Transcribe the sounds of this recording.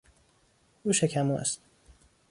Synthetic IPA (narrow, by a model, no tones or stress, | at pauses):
uːʃecʰæmuʔæ̰st̪